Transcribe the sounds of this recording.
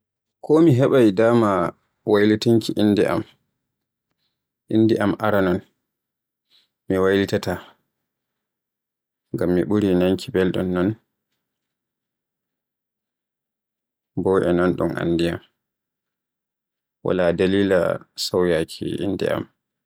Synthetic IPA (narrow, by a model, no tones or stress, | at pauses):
kʰɔmiɦɛɓajdaːma | wajlitaŋkiʔindiʔa̰m | ʔindiʔamʔaɾanɔn | miwajlitata | ŋɡamːiɓuɾinaŋkʰibɛlɗɔnːɔn | bɔʔɛnɔnɗumʔa̰ndijam | wa̰ladaliːla̰sawjakʰḭḭnːdɛ̰a̰m